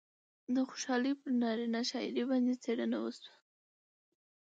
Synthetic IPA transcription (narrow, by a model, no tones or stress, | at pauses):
d̪əxo̥ʃɑlipəɾnɑɾinaʃɑɪ̰ɾebɑnd̪et͡seɽənawəswḁ